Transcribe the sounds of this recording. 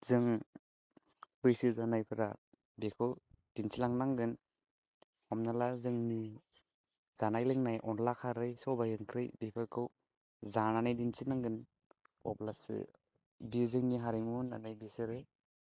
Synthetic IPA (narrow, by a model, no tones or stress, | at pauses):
zɯŋ | bɯjsɯzanajpʰɯɾa̰ | bekʰɯwd̥insilaŋnaŋɡɯn | hɔmnalazɯŋni | z̥anajlɯŋnajʔɔnlakʰaɾɯjsɔbajɯŋkʰɾɯjbepʰɯɾkʰɯw | zananajdinsinaŋɡɯn | ɔ̰plasɯ̰ | bizɯŋniɦaɾeŋuna̰najbisɯɾɯ